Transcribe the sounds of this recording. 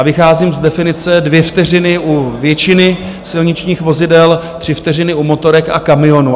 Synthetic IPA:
vɪxaːziːmzdɛfɪnɪt͡sɛdvjɛft̪ɛrɪnɪʔuvjɛt͡ʃɪnɪ | sɪlɲɪt͡ʃɲiːxvo̞zɪdɛlt̪r̝̥ɪft̪ɛrɪnɪumo̞t̪o̞ɾɛka̰kamɪo̞nu

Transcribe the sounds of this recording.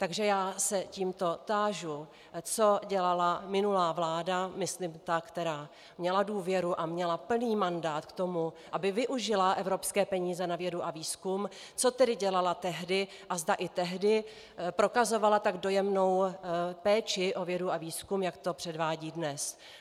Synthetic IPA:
t̪aɡʒɛjaːsɛciːmt̪o̞t̪aːʒu | t͡so̞ɟɛlalamɪnulaːvlaːdamɪslimt̪akt̪ɛɾaː | mɲɛladuːvjɛɾuʔamɲɛlapl̩niːmandaːt̪kt̪o̞muʔabɪvɪʔuʒɪlaʔɛvɾo̞pskɛːpɛɲiːzɛnavjɛduʔaviːskum | t͡so̞t̪ɛdɪɟɛlalat̪ɛɦdɪ | ʔazdaʔɪt̪ɛɦdɪ | pɾo̞kazo̞valat̪aɡdo̞jɛmno̞wpɛːt͡ʃɪʔo̞vjɛduaviːskumjakt̪o̞pr̥ɛdvaːɟiːdnɛs

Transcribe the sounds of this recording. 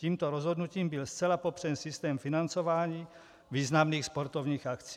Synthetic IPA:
ciːmt̪ɔɾɔzɦɔd̪nuciːmbilst͡sɛlapɔpr̥ɛnsist̪ɛːmfinant͡sɔʋaːɲiː | viːznamniːxspɔɾt̪ɔvɲiːɣakt͡si

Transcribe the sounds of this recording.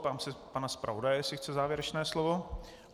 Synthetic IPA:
t̪aːmsɪpanaspɾʔa̰vodajɛjsɪxt͡sɛzaːvjɛɾɛt͡ʃnɛːslovo̞

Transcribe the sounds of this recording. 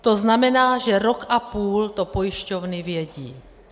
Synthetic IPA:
t̪oznamɛnaːʒɛɾokʔapuːlt̪opojɪʃcovnɪvjɛɟḭː

